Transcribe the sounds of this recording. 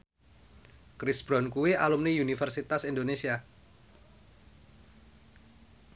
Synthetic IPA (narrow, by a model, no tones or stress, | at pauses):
kɾɪsb̥ɾɔnkuwialumniunifərsit̪asind̪onesia